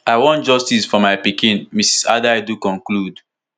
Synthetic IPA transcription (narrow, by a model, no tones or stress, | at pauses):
aɪwɔ̃nd͡ʒɔstisfɔmaɪpikĩnmisi̥sa̰daɪdukɔ̃ŋklud